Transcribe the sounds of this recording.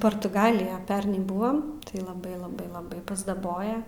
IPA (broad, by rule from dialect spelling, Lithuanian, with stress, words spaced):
poːrtʊˈɡɑːlʲɪjɛ ˈpʲɛrnɐɪ ˈbʊʋoːm tɐɪ lˠɐˈbɐɪ lˠɐˈbɐɪ lˠɐˈbɐɪ pɐzdɐˈboːjɛ